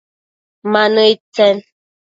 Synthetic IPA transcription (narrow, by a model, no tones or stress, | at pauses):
manəit͡sɛn